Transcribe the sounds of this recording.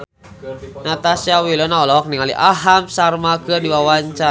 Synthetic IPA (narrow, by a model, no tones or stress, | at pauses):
nat̪asiawilɔnaɔlɔɦɔk̚niŋalḭʔaɦamsarmakɨrdiwawaɲt͡ʃa